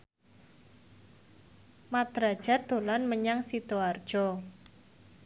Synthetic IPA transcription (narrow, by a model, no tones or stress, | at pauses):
mat̪ɾa̤d̥ʒ̥a̤d̪̥o̤lanməɲaŋsit̪oard̥ʒ̥ɔ